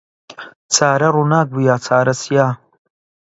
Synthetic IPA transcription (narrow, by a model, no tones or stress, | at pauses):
t͡sʰaːɾɐɾunaːk̚bujaːt͡sʰaːɾɐsjaː